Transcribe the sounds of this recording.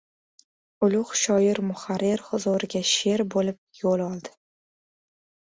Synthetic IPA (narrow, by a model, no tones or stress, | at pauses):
ʊlˠʊχʃɒjɪɾmʊχaɾːeɾχʊzoɾɪɡʲaʃe̞ɾbolɪp̚jolˠɒlˠd̪ɪ̥